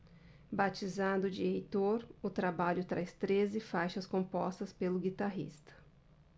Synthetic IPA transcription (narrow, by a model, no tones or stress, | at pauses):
bat͡ʃizɐ̃d̪ʊd͡ʒiejt̪oɾʊt̪ɾabaʎʊt̪ɾajst̪ɾezɪfajʃɐskõpɔst̪ɐspelʊɡit̪aɦḭst̪ɐ̥